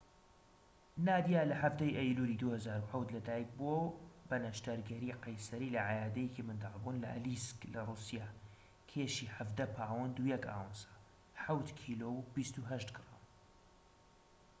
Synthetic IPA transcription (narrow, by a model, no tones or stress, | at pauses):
naːd̪ijalɐħavd̪ɐjʔɐjluɾid̪uhɐzaːɾuħawt̪lɐd̪aːjik̚bobɐnɐʃt̪ɐɾɡɐɾiːqɐjsɐɾiːlɐʕajaːd̪ɐjekimɨnd̪albunlɐ̰ʔlisklɐrusijaː | kʰeʃiːħavd̪ɐpʰaːwɐnd̪ujɛka̰ːwənsḁ | ħawt̪kʰilowbist̪uɦɐʃt̪ɡɨɾaːm